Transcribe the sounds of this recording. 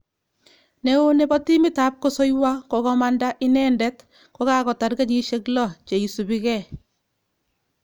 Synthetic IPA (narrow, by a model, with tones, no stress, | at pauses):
ne˦o˦ne˨bɔ˦ti˦mi˦ta˦p̚ko˦so˦jwa˦ko˨kɔ˦ma˦nda˦ʔi˦nɛ˦ndɛ˦t | ko˦ka˦kɔ˨ta˨ɾɡa˦ɲi˦ʃe˦klɔ˦˨t͡ʃe˨i˨su˨bi˦ɣɛ˦˨